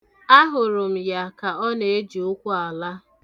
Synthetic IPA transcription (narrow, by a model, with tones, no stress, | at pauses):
a˦ɦʊ˨ɾʊ˨m̩˨ja˦ka˨ɔ˦ne˨e˦d͡ʒʊ˦kʷʊ˦a˨la˦